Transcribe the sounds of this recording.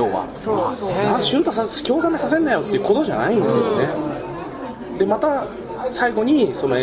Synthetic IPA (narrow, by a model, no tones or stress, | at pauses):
oːβa̰ | ãɕɨ̃nt̪osakʲo̞ːzamesas̬e̞nːajo̞t̪ːe̞iɯ̟ko̞t̪o̞ʑa̰naĩnd̪esɨjo̞̰ne̞ | d̪e̞mat̪a | saiɡo̞ɲ̟iso̞no̞e